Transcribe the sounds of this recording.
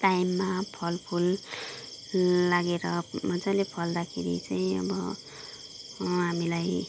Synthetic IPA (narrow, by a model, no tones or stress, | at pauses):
ʈajmːapʰʌlpʰul | aɡeɾʌmʌd͡zalepʰʌld̪akʰeɾḭt͡saĩʌ̰bʌ | ɦamilaj